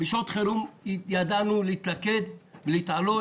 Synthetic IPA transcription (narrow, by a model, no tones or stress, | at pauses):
biʃot̪χeɾumjad̪anuleit̪laked̪veleit̪ʕalo